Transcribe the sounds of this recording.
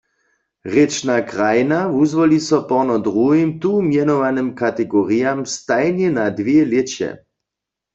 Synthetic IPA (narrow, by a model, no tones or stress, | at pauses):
ʁɛt͡ʃnakʁajnavuzvɔlisɔpɔʁnɔd̪ʁuɦimt̪umjɛnɔʋanɨmkat̪ɛɡɔʁijamst̪ajnjɛnad̪ʋjɛljet͡ɕɛ̰